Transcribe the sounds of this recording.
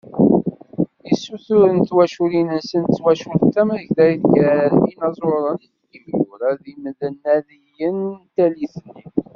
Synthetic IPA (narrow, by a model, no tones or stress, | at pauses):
isːuθʊɾənt̪wæʃulinənsənt̪t͡sːwæʃult̪ːæməʝðæjðɡæɾinɑzˤoɾˤənitɡəvɡʊɾæðimðənːæðijənt̪æliθənːi